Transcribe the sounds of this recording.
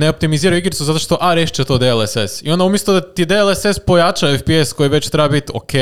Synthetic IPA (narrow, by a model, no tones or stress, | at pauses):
neo̞p̚t̪imiziːɾajuiɡɾit̪suzat̪o̞ʃt̪o̞ʔaɾeʃt͡ʃet̪o̞ːd̪eelesesḭo̞nd̪aumjest̪ˠud̪at̪id̪eelesespo̞jat͡ʃaefpiesko̞jiʋet͡ɕt̪ɾebabit̪o̰kʰe